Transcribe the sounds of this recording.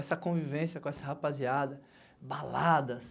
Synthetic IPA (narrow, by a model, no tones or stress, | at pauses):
ɛsɐkõvivẽsjɐkõɛsɐhapaziad̪ɐ | balad̪ɐs